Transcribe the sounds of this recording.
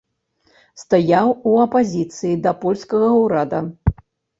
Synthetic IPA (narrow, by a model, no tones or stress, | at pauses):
st̪ajawuɐpazʲit̪sɨjid̪ɐpɔlʲskɐɣɐwɾad̪ɐ